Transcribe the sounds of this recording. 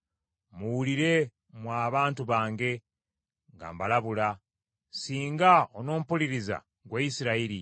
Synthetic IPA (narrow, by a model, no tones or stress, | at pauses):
muwuliɾe̞ | mwaːβaːntuβaːŋɡe̞ | ŋɡa̰mbalaβula | siːŋɡaono̞ːm̩puliɾiza̰ | ɡwaisiɾaiɾi